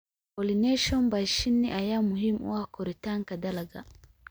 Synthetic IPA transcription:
kolineʃɔnbaʃinːiʔajamuɦimṵwakʰoɾitaŋkadalaɡa̰

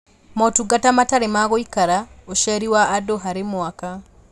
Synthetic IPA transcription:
mɔtuɡatamataɾemaɣoikaɾaoʃɛɾiwaːdoɦaɾemwaka

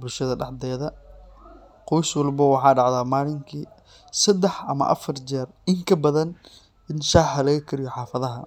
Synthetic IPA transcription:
bʊlʃɐðɐɖɑʕd̪ɛːðɐ | qɔjswɑlbɐwɑħɑːɖɑʕðaːmaːlɪŋkʰiː | sɐd̪ɛħʔɐ̰mɐ̰ʔɐ̰fɐrd͡ʒɛːrɪŋkʰɐbɐðɐn | ɪnʃɑħɐlɐɣɐkʰɐɾɪjɔħɑːfɐðɐɦɐ̰

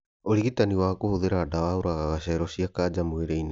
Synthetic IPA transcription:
oɾiɣitaniwakuhuðeɾadawauɾaɣaɣasaɛɾosiakaːd͡ʒamueɾejna

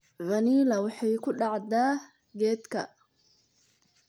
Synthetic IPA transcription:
vɐniːlɐwɑħɑjkʰʊɖɑʕd̪aː | ɡɛːd̪kʰɐ

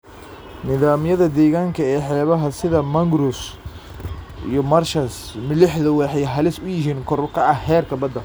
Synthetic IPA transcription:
nɪðaːmjɐðɐd̪ɛːɣaːŋkʰɐɛːħɛːβɐɦɐsɪðɐmɐŋɡɾʊs | ʔḭjɔmɐrʃɐsmɪlɪħðɐwɑħɑjɦɐlɪsʊjɪɦiːnkʰɔɾbkʰɐɐhhɛːrkʰɐbɐd̪ːɐ

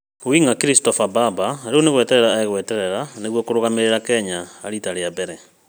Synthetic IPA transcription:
owiŋakiɾistɔfababaɾeoneɣwɛtɛɾɛɾaːeɣwɛtɛɾɛɾaneɣwɔkoɾoɣameɾeɾakɛɲaːɾitaɾeabɛɾɛ

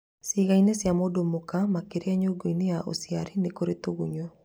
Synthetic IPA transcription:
siɣainesjamodomokamakeɾeaɲoɡoinejaʔo̰siaɾinekoɾetoɣuɲo

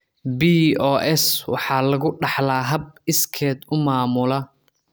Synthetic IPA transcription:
biːɔːʔɛswɑ̰ħɑːlɐɣʊɖɑħlaːɦɐb̚ɪskʰɛːd̪ʊmaːmʊlɐ

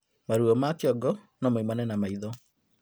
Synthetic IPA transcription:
maɾuɔmakeɔɡɔ | nɔmimanɛnamaiðɔ

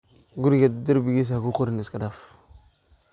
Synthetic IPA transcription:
ɡuɾɡaddiɾbiɡis̬akukuɾaniskadaf

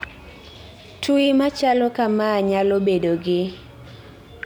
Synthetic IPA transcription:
tʰuimat͡ʃalɔkamaːɲalobedoɡɪ

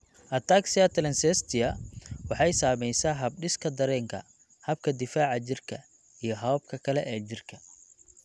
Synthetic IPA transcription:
ʔɐt̪ʰaːksɪɐt̪ʰɐlɛnsɛst̪ʰɪjɐwɑħɑjsaːmɛjsaːɦɐb̚ɖɪskʰɐd̪ɐɾɛːŋkʰɐ̰ | hɐb̚kʰɐd̪ɪfaːʕɑt͡ʃɪrkʰɐ | ijɞɦɐb̚kʰɐkʰɐlɛʔɛːt͡ʃɪrkʰɐ

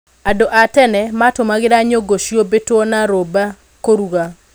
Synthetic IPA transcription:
adoʔatɛnɛmatomaɡɪɾaɲoɡoʃjobetonaɾoba | koɾuɣa

